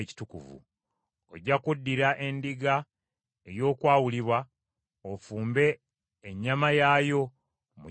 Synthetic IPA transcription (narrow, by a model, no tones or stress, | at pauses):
ci̥tukṵvṵ | oɟːakudːiɾaʔe̞ndiɡa | e̞jo̞ːkwaːwuliβwa | ofuːmbe̞ː | ɲːamajaːjo̞ | mṵ